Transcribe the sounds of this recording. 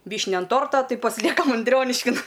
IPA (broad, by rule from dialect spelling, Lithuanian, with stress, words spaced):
ˈʋʲiːʃʲnʲɛ ɐn ˈtoːrtoː ˈtɐɪ pɐsʲɪˈlʲiɛkɐm ɐnʲˈdʲrʲoːnʲɪʃʲkʲɪn